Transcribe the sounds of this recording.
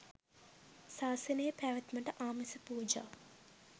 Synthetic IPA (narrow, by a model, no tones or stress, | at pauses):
saːsənəjəpæːʋɐt̪məʈəʔaːmesəpuːd͡ʒa̰ː